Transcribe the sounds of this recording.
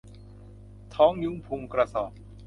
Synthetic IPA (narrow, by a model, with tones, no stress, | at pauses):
t̪ʰɔː˦˥ŋju˦˥ŋpʰu˧mkɾa˧sɔː˨˩p̚